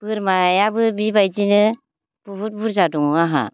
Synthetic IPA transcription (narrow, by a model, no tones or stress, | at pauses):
pɯɾmajabɯbibajd͡ʒinɯ | puɦut̚buɾzaduŋaɦa̰